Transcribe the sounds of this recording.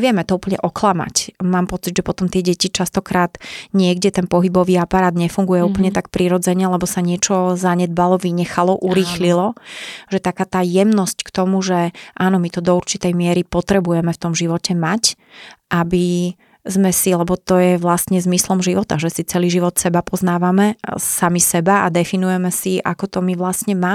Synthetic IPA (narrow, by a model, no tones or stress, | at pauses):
ɛʋɪɛmɛt̪ɔupl̩ɲɛ̰ʔɔklama̰cmaːmpɔt͡siɟʒɛpɔt̪ɔmt̪ɪɛɟɛcit͡ʃast̪ɔkɾaːd̪̥ɲɪɛɡɟɛt̪ɛnpɔɦibɔʋiːapaɾaːd̪ɲɛfuŋɡujɛuːpl̩ɲɛt̪akpɾiɾɔd͡zɛɲɛlɛbɔsaɲɪɛt͡ʃɔzaɲɛd̪̚balɔʋiɲɛxalɔʔuɾiːxlilɔʒɛt̪akaːt̪aːjɛmnɔsckt̪ɔmuʒɛʔaːnɔmit̪ɔd̪ɔuɾt͡ʃit̪ɛjmɪɛɾipɔt̪ɾɛbujɛmɛft̪ɔmʒiʋɔcɛmac | ʔabi | zmɛsilɛbɔt̪ɔjɛʋlast̪ɲɛzmislɔmʒiʋɔt̪aʒɛsit͡sɛliːʒiʋɔt̪sɛbapɔznaːʋamɛsamisɛbaa̰d̪ɛfinujɛmɛsiʔa̰kɔt̪ɔmiʋlast̪ɲɛmaː